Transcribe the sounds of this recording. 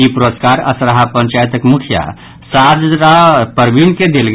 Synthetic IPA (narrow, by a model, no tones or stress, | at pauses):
ipuɾoskaɾə̰sɾaɦapə̃ɲt͡ʃajt̪əkmukʰija̰ | sad͡ʒɾapəɾbinked̪elɡ